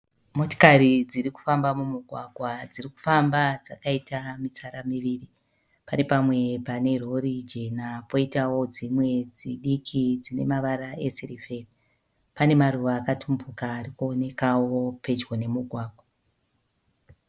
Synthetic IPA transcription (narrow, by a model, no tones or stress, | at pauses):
mo̞to̥kaɾid͡ziriku̥fambamumuɡʱwaɡʱwad͡ziriku̥fambad͡zakaitamit͡saɾamiʋiːri | pane̞pamwe̞pane̞ro̞ɾid͡ʒe̞napo̞itawo̞d͡zimwe̞d͡ziɗikʰid͡zine̞̰maʋaɾae̞seɾife̞ri | pane̞maruʋaːkatʰumbukaːrikuone̞kawo̞pe̞d͡ʒwone̞muɡʱwaːɡʱwa